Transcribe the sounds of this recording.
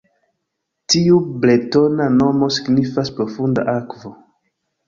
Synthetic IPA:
tiuble̞to̞nano̞mo̞si̥ɡnifaspɾo̞funda̰ʔakvo̞

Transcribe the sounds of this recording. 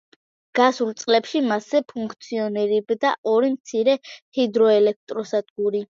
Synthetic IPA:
ɡ̥asult̪sʼqʼlɛpʃimasɛpʰuŋkʰt̪sʰiɔnɛɾibd̪aʔɔɾimt̪sʰiɾɛhid̪ɾɔɛlɛk̚t̪ʼɾɔsad̪ɡuɾi

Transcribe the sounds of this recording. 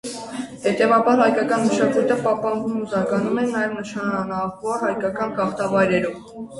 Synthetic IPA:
hɛt̪ɛvɑbɑɾhɑjkɑkɑnməʃɑkujt̪əpɑhpɑnvumuzɑkɑnumɛnːɑjɛvnəʃʰɑnɑvɔɾhɑjkɑkɑnkɑχt̪ɑvɑjɾɛɾɔv

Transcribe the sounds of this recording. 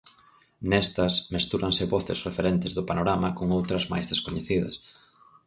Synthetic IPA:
nɛst̪ɐsmest̪uɾɐŋsɪβɔθɪ̰srefeɾent̪ɪzðʊpanoɾamɐkoŋowt̪ɾɐzma̰jzðeskoɲeθiðɐ̰s

